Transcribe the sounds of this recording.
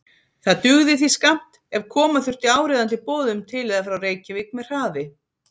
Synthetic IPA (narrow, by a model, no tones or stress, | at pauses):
θaðt̪ʏɣðɪθiskam̥t̪ | ɛv̥kʰɔːmaθʏr̥t̪ɪaːwɾɛːðant̪ɪpɔːðʏmt̪ʰɪlɛðafɾawreːjcɪvɪknmɛ̥r̥aːvɪ